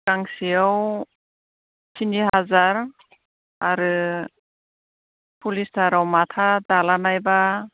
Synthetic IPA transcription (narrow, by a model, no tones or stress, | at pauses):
kaŋsiaw | sʰiniɦazaɾ | aɾɯ | pʰulisdaɾawmatʰadalanajba